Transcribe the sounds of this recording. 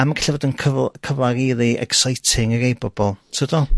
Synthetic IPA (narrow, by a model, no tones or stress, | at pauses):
amaɡaɬivɔːdɪnkʰəvkʰəvlaɾiðiʔɛ̰ksajtʰɪŋəɾejbɔbɔlˠtʰədɔ